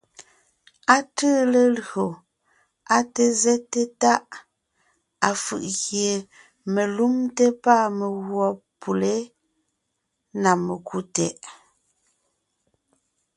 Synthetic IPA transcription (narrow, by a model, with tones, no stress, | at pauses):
a˦tə˦le˨lɰo˨ | a˦te˦zɛ˦tːe˦ta˦ʔ | a˨fɯ̰˨ʔɣje˨ | me˨lu˦mte˦pa˦˨me˨ɣwɔ˨pʰu˨le˦ | na˨me˨ku˦tɛ̰˨ʔ